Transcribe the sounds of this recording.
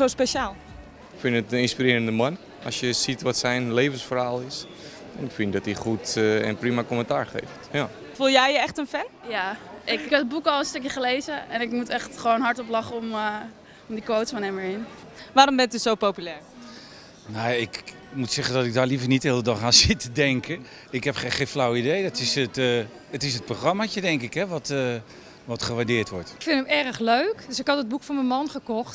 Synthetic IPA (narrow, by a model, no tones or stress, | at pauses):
owspeʃaːlˠ | ɪkfɪnətəɪnspirɪːɾəndəman | ɔsjəsitʋɔtsɛjnleːvənsfərhaːlˠɪs | ɛnɪkfɪndɔtiχutɛ̰nprimakoməntaːɹχḛjftjaː | fulˠjɛjəɛχtənfɛnjaʔɪkɛəd̚bukɔlˠənstøkjəχəlejzəɛnɪkmutɛχtχəʋoːnɦɑɹtɔplɑχəɔm | ɔmdikʋowtsfɔnɛməɹɪn | ʋaːɾɔmbɛntysowpowpylɛːɹ | nawaɪk | mutsɛχəndɔtɪɡ̚daːɹlivəɹnitɦɪːlˠdədɑχaːnsɪtədɛŋkʰə | ɪkɦɛpχeχejnflawidejdɔtɪsət | ətɪsət̚proχrɑmat͡ʃədɛŋkɪkɦɛʋɔt | ʋɔtχəʋaɹdɪːɹtʋɔɹtɪkfɪntəmɛrəχløɥkdøsɪkɦɑtəd̚bukfɔːnməmɑnχəkɔχt